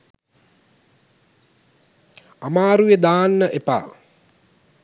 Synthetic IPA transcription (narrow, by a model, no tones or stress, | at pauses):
amaːɾujed̪aːnːəʔepa̰ː